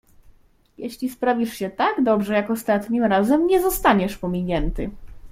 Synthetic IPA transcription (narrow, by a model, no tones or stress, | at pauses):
jɛɕlʲispɾavʲiʂɕɛt̪aɡd̪ɔbʐɛjakɔst̪at̪ɲimɾazɛmɲɛzɔst̪aɲɛʂpɔmʲiɲɛnt̪ɘ